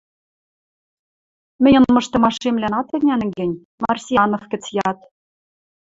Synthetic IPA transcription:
mɘ̆nʲɤ̆nmɤ̆ʃt̪ɤ̆mɑʃemlænɑt̪ɘ̆nʲænɡɘ̆nʲ | mɑrsʲijɑnofkɘ̆t͡sjɑt̪

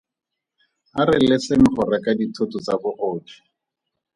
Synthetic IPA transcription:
arɪlɛseŋ̩χʊrakaditʰotʊt͡sabʊʔɔːd͡ʒʰi̥

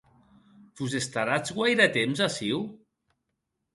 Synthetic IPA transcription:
fuzest̪aɾat͡sɣwajɾat̪emzasiw

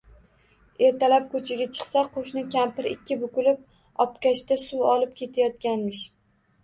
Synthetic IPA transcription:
e̞ɾt̪ʰalap̚kʰɵt͡ʃʰaɡʲat͡ʃʰɨ̥χsaqʰoʃnɪkʲʰampɪɾɪkʲːɪbʊkʊlɪp̚ | ɒpkʲaʃt̪asuwɒlɪp̚kʲʰe̞t̪ʰajɒt̪̚kʲanmɪʃ

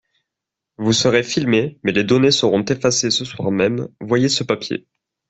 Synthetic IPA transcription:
vusəʁefilmemɛled̪ɔnesəʁɔ̃t̪efasesəswaʁmɛmvwajesəpapjḛ

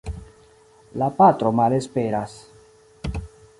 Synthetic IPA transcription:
lapatɾo̞male̞spe̞ɾas

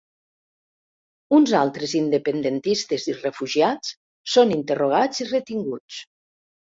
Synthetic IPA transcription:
unzalˠt̪ɾezind̪epend̪ent̪ist̪ezirefuʒiat͡s | sonint̪eroɣ̞aziret̪iŋɡut͡s

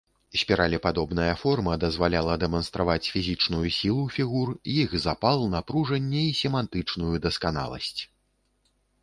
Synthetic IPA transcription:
sʲpʲɛɾalʲipad̪ɔbnɐjɐfɔrmɐd̪ɐzvalʲalˠɐd̪ɛmɐnst̪ɾavat͡sʲfʲizʲit͡ʂnujusʲilˠufʲiɣurjixzapalˠnɐpɾuʐɐnʲːɛisʲɛmant̪ɨt͡ʂnujud̪ɐskana̰lˠɐ̰sʲt͡sʲ

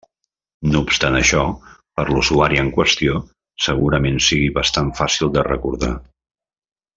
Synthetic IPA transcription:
noupst̪anəʃɔpəɾluzuaɾiəŋkwəst̪io | səɣuɾəmensiɣiβəst̪aɱfasilˠd̪ərə̰kuɾða̰

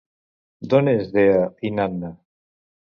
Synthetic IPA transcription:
d̪onezðeainanːa

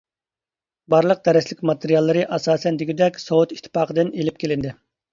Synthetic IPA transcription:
bɑɾlˠəq̚d̪ɛɾɪslɪkʲmɑt̪ʰeɾjɑlˠːɨɾɨʔɑsɑːsɛnd̪iɡʲid̪ɛkʲsowut̪i̥t̪ʰːɪ̥pɑːqʰəd̪ɪnelɪp̚kʲʰelɪnd̪ɪ

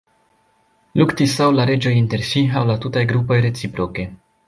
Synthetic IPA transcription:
luktisawlaɾe̞d͡ʒo̞jinte̞ɾsiawlatutajɡɾupo̞jɾe̞t͡sipɾo̞ke̞

